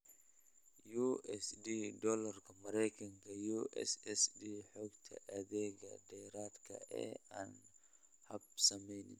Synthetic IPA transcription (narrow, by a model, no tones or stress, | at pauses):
juɛsdiːd̪ɔlɐrkʰɐmɐɾɛjkʰɐŋkʰɐjuʔɛ̰sɛsdiːħɔːɡt̪ʰɐ̰ʔɐd̪ɛːɡɐ̰d̪ɛjɾaːd̪kʰɐ̰ʔɛ̰ːaːn | hɐbsɐmɛjnɪ̰n